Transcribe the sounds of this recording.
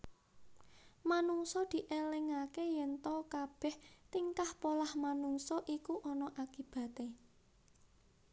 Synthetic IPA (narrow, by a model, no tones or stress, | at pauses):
manuŋsɔd̪̥i̤ʔelɪŋakejɛnt̪ɔkab̥ɛ̤ht̪iŋkahpolahmanuŋsɔʔikuʔɔnɔʔakib̥a̤t̪e